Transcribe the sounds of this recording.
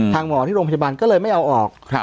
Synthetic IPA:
t̪ʰaː˧ŋmɔː˨˩˦t̪ʰiː˥˩o˧pa˧baː˧nkɔː˥˩lɤː˧jma˥˩jʔa˧wʔɔː˨˩k̚

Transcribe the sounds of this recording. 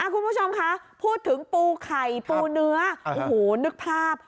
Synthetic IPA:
ʔa˧˩kʰu˧npʰuː˦˥˩t͡ɕʰo˧mkʰa˦˥ʔpʰuː˥˩t̪ʰɯ˩˦ŋpuː˧kʰa˨˩jpuː˧nɯ˦˥ɐ˧ʔo˨˧hoː˩nɯ˦˥k̚pʰaː˥˩p̚

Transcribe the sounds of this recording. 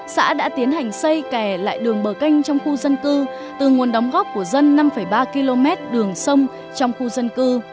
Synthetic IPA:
sa̰ː˧˥ɗa̰ː˧˥t̪i˨˦ənha˨˩jŋ̟sə˧jkɛ˧˩la̰ː˧˨jɗɨ˨˩əŋɓəː˧˩ka˧jŋ̟t͡ɕɔ˧wŋ͡mxu˧zə˧nkɨ˧ | t̪ɨ˨˩ŋu˨˩ənɗə˨˦wŋ͡mɣɔ˦˥p̚ku˧˩əzə˧nːa˧mfə˧˩jɓaː˧ki˧lo˧mɛ˦˥t̚ɗɨ˨˩əŋsə˧wŋ͡m | t͡ɕɔ˧wŋ͡mxu˧zə˧nkɨ˧

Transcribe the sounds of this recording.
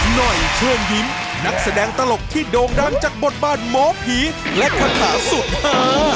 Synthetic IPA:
nɔ˨˩jkʰɤː˧˩nji˦˥m | na˦˥k̚sa˧˩dɛː˧ŋt̪a˧lo˨˩k̚t̪ʰiː˥˩doː˧nɾaː˥˩ŋt͡ɕaː˨˩k̚bo˨˩t̪̚baː˥˩nmɔː˨˦˥pʰiː˦˥lɛ˦˥kʰa˧˥nsʰaː˩˦su˨˩t̪̚haː˥˩

